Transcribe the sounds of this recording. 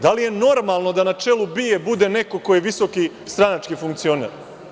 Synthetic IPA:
d̪alije̞no̞ɾmalˠno̞d̪anat͡ʂe̞lˠubijebud̪e̞ne̞ko̞ko̞jeʋiso̞ki | st̪ɾanat͡ʂkifuŋkt̪sio̞nḛɾ

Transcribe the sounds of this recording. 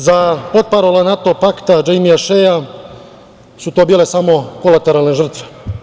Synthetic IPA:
zapot̪̚paɾolanat̪opakt̪ad͡ʒejmijaʃeja | sut̪oːbiːle̞samo̞kolat̪eɾalneʒr̩t̪ʋe

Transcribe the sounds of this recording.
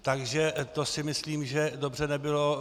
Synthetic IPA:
t̪aɡʒɛt̪osɪmɪsliːmʒɛdo̞br̝ɛnɛbɪlo̞

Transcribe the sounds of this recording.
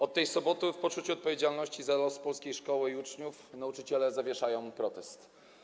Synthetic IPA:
ɔt̪ːɛjsɔbɔt̪ɘfpɔt͡ʂut͡ɕuɔt̪̚pɔvʲjed͡ʑalnɔɕt͡ɕizalɔspɔlskʲejʂkɔwɘiut͡ʂɲufnaut͡ʂɘt͡ɕɛlɛzavʲjɛʂajɔ̃w̃pɾɔt̪ɛst̪

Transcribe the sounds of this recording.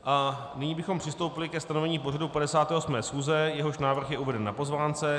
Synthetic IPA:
ʔa | nɪɲiːbɪxo̞mpr̥ɪst̪o̞wpɪlɪkɛst̪anovɛɲiːpo̞radupadɛsaːt̪ɛːʔosmɛːsxuːzɛjɛɦo̞ʃnaːvr̩xjɛʔuvɛdɛnːapo̞zvaːnt͡sɛ

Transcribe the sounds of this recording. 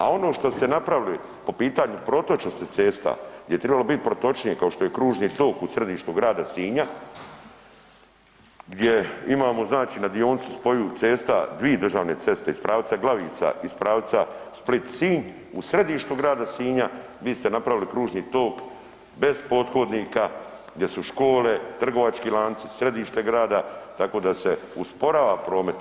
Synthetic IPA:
a̰o̞noːʃt̪o̞st̪e̞napɾaʋili | po̞piːt̪aːɲupɾo̞t̪o̞t͡ʃost̪et̪se̞ːst̪a̰ɡ̪jejet̪ɾebalo̞bit̪̚pɾo̞t̪o̞t͡ʃnijekao̞ʃt̪o̞je̞kɾuːʒniːt̪o̞ːkusɾe̞d̪iːʃt̪uɡɾaːd̪asiːɲa | ɡd̪jeimaːmo̞znaːt͡ʃiːnad̪io̞ːnt̪si̥spo̞jut̪seːst̪a̰d̪ʋiːed̪ɾr̩ʒaːʋne̞tse̞st̪eispɾaːʋt̪saɡlˠaʋḭːt̪sa̰ispɾaːʋt̪sasplit̪siːɲ | usɾe̞d̪iːʃt̪uɡɾaːd̪asiːɲa | ʋiːst̪e̞napɾaʋilikɾuːʒniːt̪o̞ːk | be̞zpo̞ːd̪xod̪nika | ɡd̪jesuʃko̞ːle̞t̪r̩ɡo̞ʋat͡ʃkiːlˠaːnt̪sisɾe̞d̪iːʃt̪e̞ɡɾaːd̪at̪ako̞ːd̪ase̞uspo̞ɾaːʋapɾo̞ːme̞t̪

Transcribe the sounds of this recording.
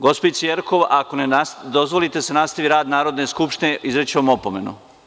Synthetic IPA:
ɡospoisijeɾko̞ʋako̞neasd̪ozʋolit̪esenast̪aʋiɾaːd̪naːɾod̪neskupʃt̪ineʔizɾet͡ɕeomopome̞nu

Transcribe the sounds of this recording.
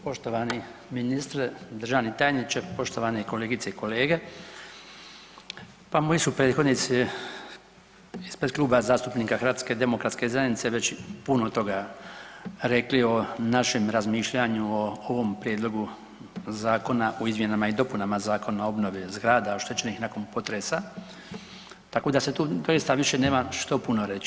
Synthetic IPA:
po̞ʃt̪o̞ʋaniminist̪ɾd̪r̩ʒaʋnit̪aːjenit͡ɕepo̞ʃt̪o̞ʋaneiko̞le̞ːɡit̪seiko̞le̞ːɡe | pamojisupɾet̪xo̞d̪nit̪si | ispɾed̪klˠuːbazaːst̪upniːkaxɾʋaːt̪ske̞d̪e̞mokɾat̪ske̞zajenit̪seʋe̞t͡ɕpunot̪o̞ɡa | ɾe̞klio̞naʃe̞mɾazmiːʃʎaɲuooʋo̞mpɾjed̪lˠo̞ɡu | zaːko̞naʔoizmje̞namaid̪o̞punamazaːko̞nao̞bno̞ʋezɡɾaːd̪aoʃt̪et͡ɕe̞nixnakonpo̞t̪ɾesa | t̪ako̞d̪aset̪uːd̪o̞jist̪aʋiʃe̞ne̞ːmaʃt̪opuno̞ɾe̞t͡ɕi̥

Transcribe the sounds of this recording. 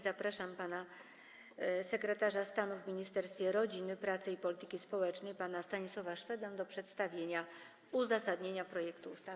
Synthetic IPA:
zapɾaʂampana | sɛkɾɛt̪aʐast̪anuvmʲiɲist̪ɛɾst̪fʲjɛɾɔd͡ʑinɘpɾat̪sɘipɔlʲit̪ɘ̥kʲispɔwɛt͡ʂnɛjpanast̪aɲiswɔvaʂfɛd̪amd̪ɔpʂɛt̪st̪avʲjeɲa | uzasad̪ɲeɲapɾɔjɛkt̪uːst̪a

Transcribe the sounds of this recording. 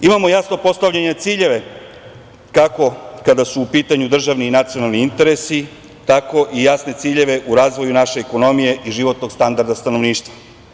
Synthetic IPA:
imamo̞jasno̞po̞st̪aʋʎaɲet̪siːʎe̞ʋe̞ | kako̞kad̪asuːpiːt̪aɲud̪r̩ʒaʋniːnat̪sijo̞nalˠniint̪e̞ɾe̞si | t̪ako̞ʔijasne̞t̪siːʎe̞ʋe̞ʔuɾaːzʋo̞junaʃe̞ːko̞no̞mije̞ʔiʒiʋo̞t̪no̞ɡst̪and̪aɾd̪ast̪ano̞ʋniːʃt̪ʋa

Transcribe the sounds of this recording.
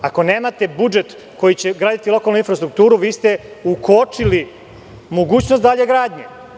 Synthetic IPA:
ako̞ne̞ːmat̪e̞bud͡ʒet̪ | ko̞jit͡ɕe̞ɡɾaːd̪it̪ilˠo̞kalˠnuinfɾast̪ɾuk̚t̪uːɾuʋiːst̪e̞ukot͡ʂili | moɡuːt͡ɕnost̪d̪aʎeɡɾaːd̪ɲe

